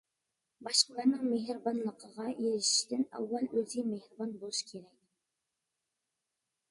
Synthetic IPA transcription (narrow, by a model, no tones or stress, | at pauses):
bɑʃqəlˠɑɾnɨŋmeɦɾbɑnlˠəqʰəʁɑjeɾɪʃɪ̥ʃt̪ɪnæ̰wːælɵzimehɾbɑnbolˠuʃkʲʰeɾɛk̚ʲ